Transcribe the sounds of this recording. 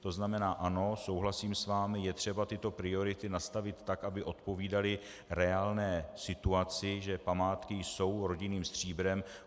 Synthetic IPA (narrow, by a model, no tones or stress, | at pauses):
t̪o̞znamɛnaːʔano̞so̞wɦlasiːmsvaːmɪjɛt̪r̝̥ɛbat̪ɪt̪o̞pɾɪo̞ɾɪt̪ɪnast̪avɪt̪ːakʔabɪʔo̞t̪po̞viːdalɪ | ɾɛaːlnɛːsɪt̪uat͡sɪʒɛpamaːt̪kɪjso̞wɾo̞ɟɪniːmst̪r̝̥iːbɾɛm